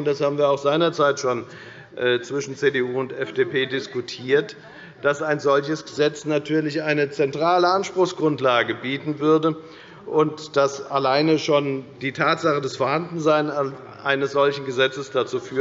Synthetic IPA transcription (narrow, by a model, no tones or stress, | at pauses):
ʊntd̥ashaːbm̩viːɐaʊxz̥aɪnɐt͡saɪtʃoːn | ʔɛːt͡sv̥ɪʃn̩t͡seːdeuːʊntɛfd̥eːpʰeːdɪskutʰiːɐt | d̥asaɪnzɔlçəsɡ̥əzɛt͡snatʰyːɐlɪçʔaɪnət͡sɛntʁ̥aːləanʃpʁ̥ʊxsɡ̥ʁʊntlaːɡəbiːtn̩vʏɐdə | ʔʊntd̥asalaɪnəʃoːnd̥iːtʰaːtz̥aχədasfoːɐhandn̩zaɪna | ʔaɪnəsz̥ɔlçn̩ɡəzɛt͡səsd̥at͡suːfyː